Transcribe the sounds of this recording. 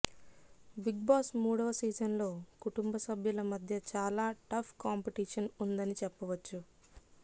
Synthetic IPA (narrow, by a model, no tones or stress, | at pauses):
biɡ̚baːsmuːɽɐʋɐsiːd͡ʒɐnlo̞ːkuʈumbɐsɐbʱjulɐmɐd̪ʱjɐt͡ʃaːlaːʈɐpʰkaːmpiʈiːʂɐnund̪ɐnit͡ʃɛpːɐʋɐt͡ʃːu